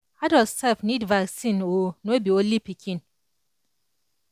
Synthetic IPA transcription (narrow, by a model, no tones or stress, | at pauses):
adɔsɛlfnidvaksĩnonobiõnlipikʰĩn